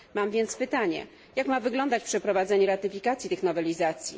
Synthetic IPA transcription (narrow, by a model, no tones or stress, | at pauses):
mamvʲjɛnt̪spɘt̪aɲɛ̰ | jakmavɘɡlɔnd̪at͡ɕpʂɛpɾɔvad̪zɛɲɛɾat̪ɘfʲikat̪sjit̪ɘxnɔvɛlʲizat̪sʲjḭ